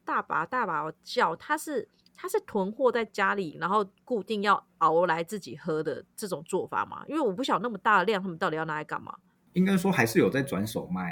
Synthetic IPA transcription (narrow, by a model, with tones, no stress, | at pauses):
t̪a˥˩pa̰˨˩˦t̪a˥˩pa˨˩˧t͡ɕjɑ˥˩ʊt̪ʰa˥ʂɻ̩˥˩ | t̪ʰa˥ʂɻ̩˥˩t̪ʰwə˧˥nxwɔ˥˧t͡sa˥˩ɪt͡ɕja˥li˨˩na˧˥nxo˥˧ʊku˥˧t̪i˥˧ŋjɑ˥˩ʊ | a˨˩ʊ˧˦la˧˦ɪt͡sɹ̩˥˩t͡ɕḭ˨˩xɤ˧˥d̪ə̰˨ʈ͡ʂɤ˥˩ʈ͡ʂʊ˨˩ŋt͡swɔ˥˩fa̰˨˩ma̰˧˦ʔḭ˥nwe˥˩wɔ˨˩p̬u˥˩ɕjɑ˨˩ŋna˥˩mə˩t̪a˥˩d̪ə˩ljŋnʰa˥˧ə˨˩ɑ˥˩t̪i˨˩jna˧˩a˧˩ɪka̰˨˩nma̰˩ | i˥ŋka˥ɪs̬wɔ˥xa˧˥ɪʂɻ̩˥˩jo˨˩t͡sa˥˩ɪt͡swa˧˦nso˨˩ʊma˥˩ɪ